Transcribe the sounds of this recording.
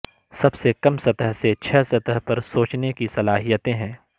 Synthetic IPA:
sɐbsekɐmsɐt̪əɦset͡ʃʰɛːsɐt̪əɦpɐɾsoːt͡ʃnekisɐlaːɦijət̪ẽɦɛ̃ː

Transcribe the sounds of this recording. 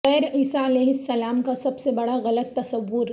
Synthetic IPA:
ɛːɾiːsaɐleːɦɪsːɐlaːmkasɐbsebɐɽaɣɐlət̪ːɐsɐʋːʊɾ

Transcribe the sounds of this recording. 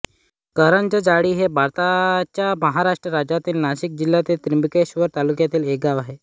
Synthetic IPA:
kəɾəɳt͡ɕed͡zaɽiːɦebʱaɾt̪at͡ɕjaməɦaɾaʂʈɾəɾad͡ʑat̪iːlnaɕik̚d͡ʑiljat̪et̪ɾimbikeɕʋəɾt̪alukjat̪iːleɡaʋaɦe

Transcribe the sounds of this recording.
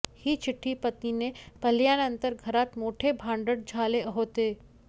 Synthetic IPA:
hit͡ʃʰɪʈʰːipɐt̪ninẽpɐljaːnɐ̃nt̪əɾɡʱɐɾaːt̪moːʈʰebʱãːɳɖəɽd͡ʒʱaːleɦoːt̪eː

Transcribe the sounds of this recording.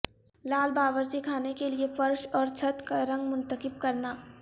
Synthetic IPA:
laːlbaːʋəɾt͡ʃekʰaːnekeliefɐɾʃɔːɾt͡ʃʰɐt̪kaɾɐ̃ŋɡmʊ̃nt̪əkɪb̚kɐɾnaː

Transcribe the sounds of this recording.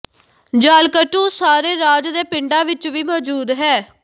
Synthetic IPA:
d͡ʒaːlkəʈũːsaːɾeːɾaːd͡ʒd̪eːpɪɳɖãːʋɪt͡ʃʋiːmɔːd͡ʒuːd̪ɦɛː

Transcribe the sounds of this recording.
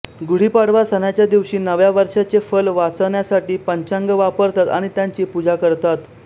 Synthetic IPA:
ɡuɽ̤iːpaɽ̤ʋasənjat͡ɕjad̪iʋɕiːnəʋjaʋəɾʂat͡sefəlʋat͡səʋɳjasaʈiːpəɲt͡ɕãŋɡəʋapəɾt̪at̪a̰ɽ̃it̪jaɲt͡ɕiːpud͡zakəɾt̪at̪

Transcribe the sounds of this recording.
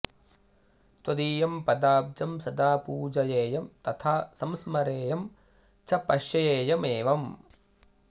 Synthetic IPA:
t̪wɐd̪iːjɐmpɐd̪aːb̚d͡ʒɐmsɐd̪aːpuːd͡ʒɐjeːjɐmt̪ɐt̪ʰaːsɐmsmɐɾeːjɐm | t͡ʃʰɐpɐʃjɐjeːjɐmeːʋɐm

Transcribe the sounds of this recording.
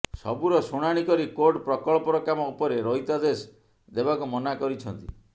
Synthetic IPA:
sɔ̰buɾɔsoɽ̃aɽ̃ikɔɾikoɾɖpɾɔkɔɭɔpɔɾɔkamɔupɔɾeɾɔjt̪ad̪es | d̪ebakumɔnakɔɾit͡ʃʰɔnt̪ḭ

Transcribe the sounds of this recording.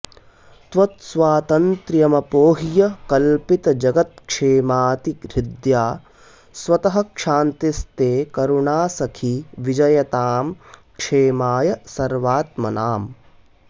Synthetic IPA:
t̪ʋɐt̪sʋaːt̪ɐnt̪ɾjɐmɐpoːɦijɐkɐlpit̪ɐd͡ʒɐɡɐt̪̚kʂeːmaːt̪ikɾid̪jaː | sʋɐt̪ɐɦɐkʂaːnt̪ist̪eːkɐɾuɳaːsɐkʰiʋid͡ʒɐjɐt̪aːmkʂeːmaːjɐsɐɾʋaːt̪mɐnaːm

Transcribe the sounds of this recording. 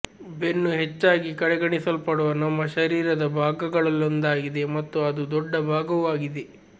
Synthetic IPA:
be̞nːuɦet͡ʃːaːɡikɐɽɛɡɐɳisɐlpɐɽuʋɐnɐmːɐʃɐɾiːɾɐd̪ɐbʱaːɡɐɡɐɭɐlːond̪aːɡid̪e̞mɐt̪ːuɐd̪ud̪ɔɖːɐbʱaːɡɐʋaːɡid̪e

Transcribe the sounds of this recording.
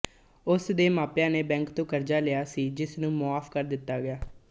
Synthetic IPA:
ʊsd̪eːmaːpjãːneːbɛ̃ːŋkt̪õːkəɾd͡ʒaːlɪjaːsiːd͡ʒɪsnũːmʊaːfkəɾd̪ɪt̪ːaːɡɪjaː

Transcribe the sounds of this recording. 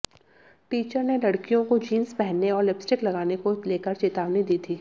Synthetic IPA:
ʈiːt͡ʃəɾnelɐɽkijõkod͡ʒiːnspɛɦnːeɔːɾlɪpsʈɪklɐɡaːnekoleːkəɾt͡ʃeːt̪aːʋnid̪iːt̪ʰiː

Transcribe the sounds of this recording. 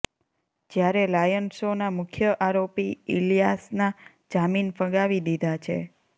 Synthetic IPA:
d͡ʒjaɾelajənsonamʊkʰjəʔaɾopiilijasna | d͡ʒaminfə̃ɡaʋid̪id̪ʱat͡ʃʰḛ

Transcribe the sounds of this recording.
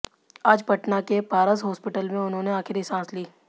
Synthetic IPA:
aːd͡ʒpɐʈnakepaːɾəsɦɔːspɪʈəlmẽʊnɦõneaːkʰɪɾisãːsliː

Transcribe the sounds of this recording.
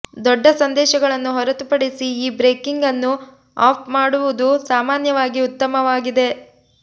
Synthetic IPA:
d̪ɔɖːɐsɐnd̪ɛːʃɐɡɐɭɐnːuɦɔɾɐt̪upɐɽisiiːbɾeːkiŋɡɐnːu | aːp̚ʰmaːɽuʋud̪usaːmaːnjɐʋaːɡiut̪ːɐmɐʋaːɡid̪e̞

